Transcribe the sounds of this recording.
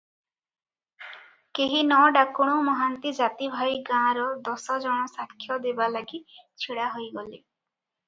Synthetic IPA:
keɦinɔɖakuɽ̃umɔɦant̪id͡ʒat̪ibʱajɡãɾɔd̪ɔsɔd͡ʒɔɽ̃ɔsakʰːjɔd̪ebalaɡit͡ʃʰiɽaɦojɡɔli

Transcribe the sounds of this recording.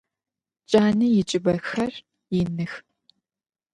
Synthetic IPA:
t͡ʃʼaːnɨjɪt͡ʃʼɪbɐxɐr | jɪnɨx

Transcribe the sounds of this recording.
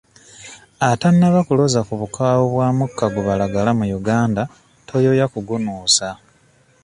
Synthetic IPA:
atanːaβakulo̞zakuβukaːwoβwaːmukːaɡuβalaɡalamujuɡaːnda | tʰo̞jo̞jakuɡunuːsa

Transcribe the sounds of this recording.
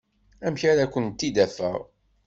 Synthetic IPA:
æmçaɾakʷːənt̪ːid̪æfə̰ʁ

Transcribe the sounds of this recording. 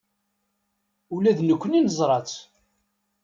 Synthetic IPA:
ulæðnəkʷːəninəzˤɾˤɑt͡s

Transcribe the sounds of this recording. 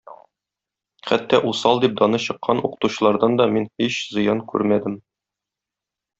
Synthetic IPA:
χæt̪ːɒʔusɑlˠd̪ip̚d̪ɒnɤɕɤ̆qʰːɑnuqɤ̥̆t̪uɕɤ̆lˠɑɾd̪ɑnd̪ɒminhiɕzɤ̆jɑnkʉ̰ɾmæd̪ɘm

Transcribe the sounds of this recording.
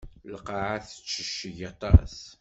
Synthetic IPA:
ləqɑʕaθə̥t͡ʃːəʃːəʝɑt̪ˤɑ̰s

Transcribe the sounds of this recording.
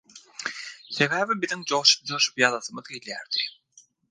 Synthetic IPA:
θe̞βæːvibiðiŋd͡ʒo̞ʁʃu̥p̚d͡ʒoʃu̥pjɑðɑθɯmɯðɡeljæɾd̪̥i

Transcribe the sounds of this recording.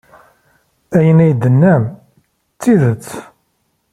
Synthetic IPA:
æjənæjd̪ənːæm | t͡sːiðət͡sː

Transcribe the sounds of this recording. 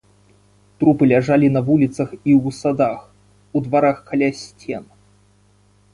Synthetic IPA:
t̪ɾupɨlʲaʐalʲinɐvulʲit̪sɐxiwsad̪ax | ud̪vaɾaxkalʲasʲt͡sʲɛn

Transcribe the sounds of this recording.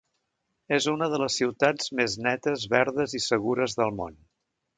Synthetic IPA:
ezunəðələsiwt̪ad͡zmeznɛt̪əzβɛɾðəzisəɣuɾəzðəlˠmo̰n

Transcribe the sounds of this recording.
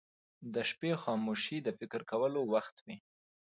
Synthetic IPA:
d̪əʃpexɑmoʃid̪əfɪkɾkawəlowaxt̪wi

